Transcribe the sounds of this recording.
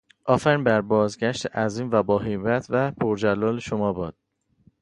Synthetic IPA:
ʔɒːfæɾmbæɾbɒːzɟæʃt̪ʰeʔæziːmvæbɒːɦebæt̪ʰvæpʰoɾd͡ʒælːɒːleʃomɒːbɒːd̪̥̚

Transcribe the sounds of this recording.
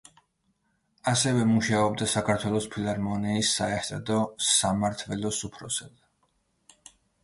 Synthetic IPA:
asɛvɛmuʃaɔbd̪asakʰaɾt̪ʰwɛlˠɔspʰilˠaɾmɔnɛisːaɛɾt̪ʰad̪ɔsamaɾt̪ʰvɛlɔsupʰɾɔsad̪

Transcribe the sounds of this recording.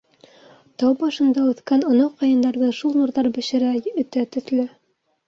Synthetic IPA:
t̪ɑwbɑʃɤ̆nd̪ɑʉθkænŏnɑqɑjɤ̆nd̪ɑɾðɤʃulˠnuɾðɑɾbɘ̆ɕɘ̆ɾæɵ̆t̪æt̪ɵ̆ðlɘ

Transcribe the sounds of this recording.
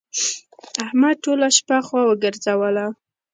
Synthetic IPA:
ahmaʈolaʃpaxwawəɡəɾzawəla

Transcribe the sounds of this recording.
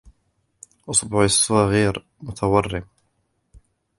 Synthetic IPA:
ʔʊsˤbʊʕəsˤːɣiɾ | mʊt̪ʰawɑrˤːɪm

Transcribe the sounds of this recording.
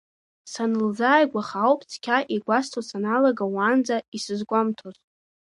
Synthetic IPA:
sanɨld͡zaːjɡʷaχawpʼt͡sʰkʲʰaʔiɡʷastʰosanalaɡawaːnd͡zaisɨzɡʷʼamtʰoz

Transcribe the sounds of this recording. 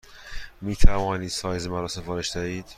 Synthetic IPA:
miːt̪ʰævɒːniːd̪̥sɒːjzemæɾɒːsefɒːɾeʃd̪̥æiːd̪̥

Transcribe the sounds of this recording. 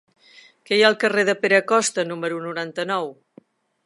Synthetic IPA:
kɛjaəlˠkəreðəpeɾəkɔst̪ənuməɾunuɾant̪ənɔw

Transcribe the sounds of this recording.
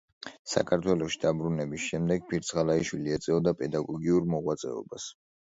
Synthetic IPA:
sa̰kʰaɾt̪ʰwɛlɔʃid̪abɾunɛbisʃɛmd̪ɛɡ̚pʰiɾt̪sʰʁalaiʃwiliɛt̪sʼɛɔd̪apʼɛd̪aɡɔɡiuɾmɔʁwat̪sʼɛ̰ɔ̰bas

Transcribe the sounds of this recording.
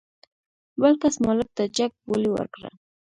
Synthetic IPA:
walkasmalap̚t̪at͡ʃak̚pʊlɪwa̰ɾkɾa̰

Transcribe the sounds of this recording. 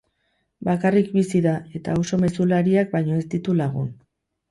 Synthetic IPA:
bakarikbisiðae̞t̪aoso̞me̞sulaɾiak̚bajɲo̞e̞st̪it̪ulaɣ̞ṵn

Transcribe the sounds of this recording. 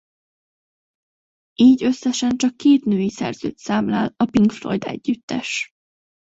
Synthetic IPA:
ʔiːɟø̞sːɛʃɛnt͡ʃɒkːeːt̪nøːjisɛ̰rz̥ø̰ːt̪saːmlaːlɒpiŋkflo̰jd̪ɛ̰ɟːyt̪ːɛʃ

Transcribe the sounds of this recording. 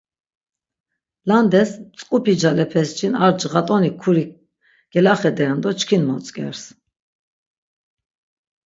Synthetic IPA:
land̪ɛst͡sʼkʼupʰid͡ʒalɛpʰɛst͡ʃʰinaɾd͡ʒʁat̪ʼɔnikʰuɾi | ɡ̥ɛlaχɛd̪ɛɛnd̪ɔt͡ʃkʰinmɔt͡sʼkʼɛ̰ɾs

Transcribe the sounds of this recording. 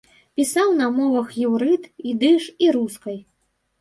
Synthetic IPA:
pʲisawnɐmɔvɐxjiwɾɨt̪id̪ɨʂiɾuskɐj

